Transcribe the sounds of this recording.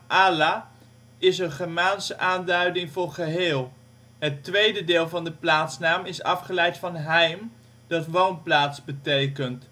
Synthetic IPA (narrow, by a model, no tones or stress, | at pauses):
ʔaːlaː | ɪsənχəɹmaːnsəʔaːndœɥdɪŋvʊːɹχəɦɪːlˠ | ɦətʋejdədɪːlˠvɑndəplaːtsnaːmɪsɑ̰fχəlɛjtfɑnɦɛjm | d̥ɑtʋownplaːtsbətejkənt